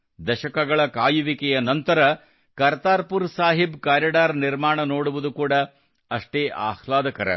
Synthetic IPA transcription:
d̪ɐʃɐkɐɡɐɭɐkaːjuʋikɛjɐnɐnt̪ɐɾɐ | kɐɾt̪aːɾpuɾsaːɦibkaːɾjɐɖaːɾniɾmaːɳɐnoːɽuʋud̪ukuːɽɐ | ɐʂʈeːʔa̰ːhlaːd̪ɐkɐɾɐ̰

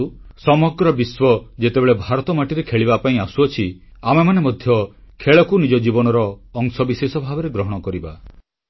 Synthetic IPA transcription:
usɔmɔɡɾɔbiswɔd͡ʒet̪ebeɭebʱaɾɔt̪ɔmaʈiɾekʰeɭibapaĩasuɔt͡ʃʰiamemanemɔd̪ʱjɔkʰeɭɔkunid͡ʒɔd͡ʒibɔnɔɾɔːŋsɔbisesɔbʱabɔɾeɡɾɔɦɔɽ̃ɔkɔɾiba

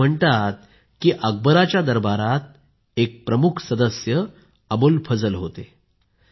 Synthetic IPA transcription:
əɳt̪at̪̚ | kiːʔəɡ̚bəɾat͡ɕjad̪əɾbaɾat̪̚ | ek̚pɾəmukʰsəd̪əsjə | əbolpʰəd͡zəlɦot̪e

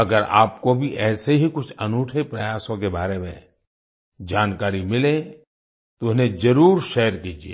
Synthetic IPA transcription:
ɐɡəɾa̰ːp̚kobʱiʔɛːseɦikʊt͡ʃʰɐnuːʈʰepɾɐjaːsõkebaːɾemḛ̃ | d͡ʒaːnkaːɾimɪlẽ | t̪oʊnẽd͡ʒɐɾuːɾʃɛːəɾkiːd͡ʒiḛː

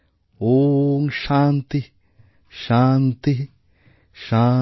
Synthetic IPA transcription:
oŋʃant̪i | ʃant̪i | ʃa

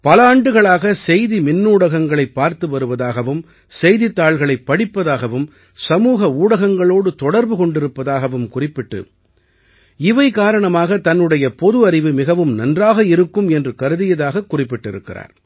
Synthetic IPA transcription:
pɐlaːɳɖɯɣɐɭaːɣɐsɛjðimɪnːuːɽɐɣɐŋɡɐɭɐɪpːaːɾt̪ɯʋɐɾɯʋɐðaːɣɐʋɯm | sɛjðɪt̪ːaːɭɣɐɭɐɪpːɐɽɪpːɐðaːɣɐʋɯm | sɐmuːɣɐuːɽɐɣɐŋɡɐɭoːɽɯt̪ɔɽɐɾbɯkɔɳɖɪɾɯpːɐðaːɣɐʋɯmkʊrɪpːɪʈːɯ̰ | ɪʋɐɪkaːɾɐɳɐmaːɣɐt̪ɐnːɯɽɐjɐpɔðɯɐɾɪʋɯmɪɣɐʋɯmnɐndraːɣɐɪɾɯkːɯmɛndrɯkɐɾɯðɪjɐðaːɣɐkːʊrɪpːɪʈːɪ̰ɾɯ̰kːɪra̰ːɾ

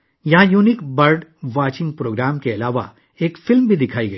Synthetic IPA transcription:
jɐɦãjuːnikbɐɾɖʋaːt͡ʃɪ̃ŋɡ̚pɾoːɡɾaːmkeɐlaːʋa̰ | eːkfɪlmbʱid̪ɪkʰaːiɡɐi

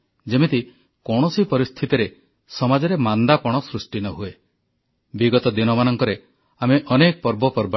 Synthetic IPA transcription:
d͡ʒemit̪i | kɔɽ̃ɔsipɔɾist̪ʰit̪iɾe | sɔmad͡ʒɔɾemand̪apɔɽ̃ɔsɾusʈinɔɦue | biɡɔt̪ɔd̪inɔmanɔŋkɔɾe | ameʔɔnekɔpɔɾbɔpɔɾba

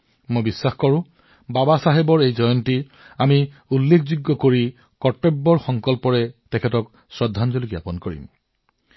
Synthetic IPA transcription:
mojbisːaxkɔɹʊ̃ | babasaɦebɔɹejzɔjɔnti | ami | ulːekʰzuɡːɔkoɹi | kɔʈebːɔɹxɔŋkɔlpɔɹɛtɛkʰɛtɔk | sɹɔdʱːanzolikijapɔnkoɹḭm

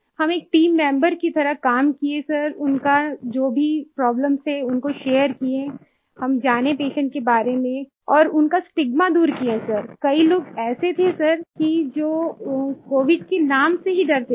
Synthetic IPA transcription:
hɐmeːk̚ʈiːmːɛ̃ːmbəɾkit̪ʰɐɾəkaːmkiesɐɾʊnkad͡ʒoːbʱipɾɔːbləmseʊnkoʃeːəɾkie | hɐmd͡ʒaːnepeːʃə̃ɳʈ̚kebaːɾemẽ | ɔːɾʊnkasʈɪɡmad̪uːɾkiẽsɐɾkɐiloːɡɛːset̪ʰesɐɾkid͡ʒoːkoːʋɪɖ̚kenaːmseɦiɖɐɾt̪e

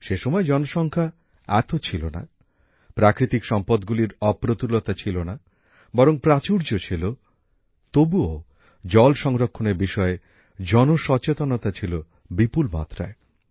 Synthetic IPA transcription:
ʃeʃɔmɔed͡ʑɔnoʃɔŋkʰa | ɛt̪ot͡ɕʰilona̰ | pɾakɾit̪ikʃɔmpɔd̪ɡuliɾɔpɾot̪ulot̪at͡ɕʰilona | bɔɾoŋpɾat͡ɕuɾd͡ʑot͡ɕʰilo | t̪obuo | d͡ʑɔlʃɔŋɾokʰːoneɾbiʃɔe | d͡ʑɔnoʃɔt͡ɕet̪onot̪at͡ɕʰilo | bipulma̰t̪ːɾa̰e

